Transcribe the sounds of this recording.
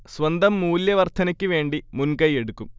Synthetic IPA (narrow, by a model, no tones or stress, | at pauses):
sʋɐnd̪ɐmːuːljɐʋɐrt̪ʰɐnɐkʲːɨʋe̞ːɳɖimunkɐje̞ɽukːum